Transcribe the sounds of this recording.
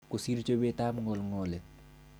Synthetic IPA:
kusiɾt͡ʃobet̪aːmŋolŋole

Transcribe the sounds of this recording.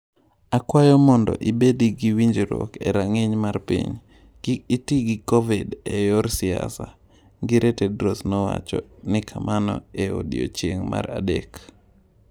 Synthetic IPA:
akwajɔmɔndɔ̰ʔibediɡiwiɲd͡ʒiɾokḛɾaŋɪɲmarpḭɲ | kiitiɡikovidɛjɔɾsɪa̰sa | ɡɪɾʔetedɾosnɔwa̰t͡ʃɔnɪkʰamʔanɔ̰eodḭo̰t͡ʃeŋma̰ɾa̰dḛk

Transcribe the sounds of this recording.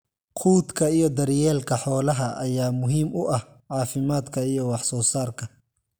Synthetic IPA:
qʰuːd̪kʰɐijɞd̪ɐɾjɛːlkʰɐħɔːlɐɦɐʔɐjaːmʊɦiːmʊʔɐh | ʕɑːfɪmaːd̪kʰɐijɔwɑħsɔːsaːrkʰɐ

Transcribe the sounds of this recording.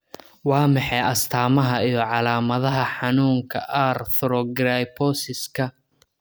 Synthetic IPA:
wɑːmɑħɛɐst̪ʰaːmɐɦɐijɞʕɑlaːmɐðɐɦɐħɑnuːŋkʰɐʔarθʊɾɔɡɾajpʰɔsɪskʰɐ

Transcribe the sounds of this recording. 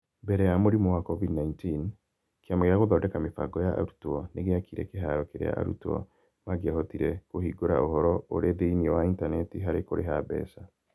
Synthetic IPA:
mbɛɾɛjamoɾimɔwakɔvidnaintin | kjamɔɣjaɣoðɔdɛkamefa̰ɡɔjaʔa̰ɾutuɔneɣeakiɾɛ̰keɦaɾɔkeɾḛa̰ʔa̰ɾṵtɔ̰ | maɡahɔtiɾɛkohiɡoɾa̰ʔohɔɾɔo̰ɾeðeiniɔwaintanɛtiɦaɾekoɾeɦabɛ̰ːsa

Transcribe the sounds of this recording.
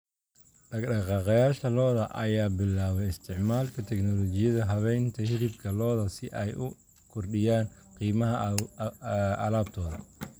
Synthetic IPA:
ɖɐɡɗɑqɑːqɑjaːʃɐlɔːðɐʔɐjaːbɪlːaːwɛɪst̪ʰɪʕmaːlkʰɐt̪ʰɛknɔlɔt͡ʃɪjɐðɐɦɐβɛjnt̪ʰɐhɪlɪb̚kʰɐlɔːðɐsɪʔɛjʔʊ̰ | kʰʊrɖɪjaːn | qiːmɐɦɐ | ɐlaːb̚t̪ʰɔːðɐ

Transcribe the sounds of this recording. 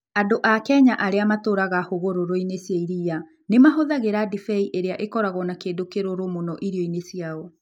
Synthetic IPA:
adoʔakɛɲaʔaɾeamatoɾaɣahoɣoɾoɾoinesjaiɾia | nemaɦoðaɣeɾadifɛiʔeɾeaʔekɔɾaɣɔnakeːdokeɾoɾomonɔʔiɾiɔinesiaɔ

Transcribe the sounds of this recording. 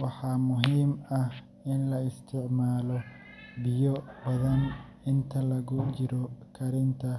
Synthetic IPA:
wɑħɑːmʊɦiːmɐh | ɪnlɐɪst̪ʰɪʕmaːlɔ | bɪjɔbɐðɐn | ɪnt̪ʰɐlɐɣʊt͡ʃɪɾɔkʰɐɾɪnt̪ʰɐ

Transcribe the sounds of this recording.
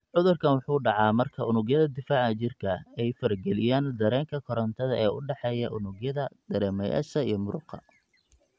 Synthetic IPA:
ʕʊðʊrkʰɐnwʊħuːɖɑʕɑːmɐrkʰɐʊnʊɣjɐðɐd̪ɪfaːʕɐt͡ʃɪrkʰɐɛjfɐɾɡɛlɪjaːnd̪ɐɾɛːŋkʰɐkʰɔɾɐnt̪ʰɐðɐʔɛːʊɖɑħɛjɐʔʊnʊɡjɐðɐd̪̥ɐɾɛːmɐja̰ːʃɐijɞmʊɾʊqʰɐ̰

